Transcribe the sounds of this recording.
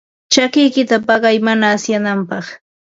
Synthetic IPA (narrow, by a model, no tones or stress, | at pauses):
t͡ʃakɪjkɪt̪apɑɢɑjmanaːsjanampɑχ